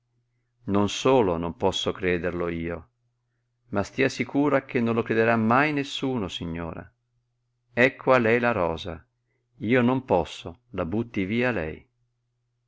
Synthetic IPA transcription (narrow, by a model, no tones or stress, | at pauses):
nonsoːlonompɔsːokɾɛːd̪erloiːo | mast̪iːasikʰuːɾak̟enːonlokɾed̪eɾamːajnesːuːnosiɲːo̰ːɾa̰ | ɛkʰːwalɛlaɾɔːza̰ | iːonompɔsːolabut̪ːiviːalɛ̰j